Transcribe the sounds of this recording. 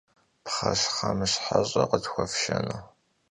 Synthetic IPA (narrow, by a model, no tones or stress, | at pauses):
pχɐsχɐmɨɕħaɕʼɐqətxʷɔfʃɐnɨ